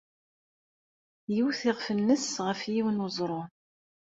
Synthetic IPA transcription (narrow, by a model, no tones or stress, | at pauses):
jiwθɪʁfənːəsʁəfjiwnʊzˤɾˤo